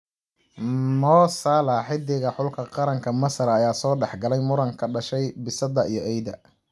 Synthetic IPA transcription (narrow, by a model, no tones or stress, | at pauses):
mɔːsaːlaħɪd̪ɪɣɐħʊlkʰɐqɑɾɐŋkʰɐmɐsɐɾɐjaːsɔːɖɛħɡɐlɛjmʊɾɐŋkʰɐɖɐʃɛjbɪsɐðɐijɞʔɛjðɐ̰